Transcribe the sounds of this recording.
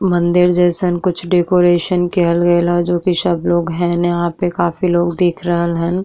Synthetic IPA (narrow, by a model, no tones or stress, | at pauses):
mɐ̃nd̪ɪɾd͡ʒɛːsənkʊt͡ʃʰɖeːkoːɾeːʃənkɛɦəlɡɐelad͡ʒoːkisɐbloːɡɦɛ̃njɐɦãpekaːfiloːɡd̪iːkʰɾəɦəlɦɛ̃n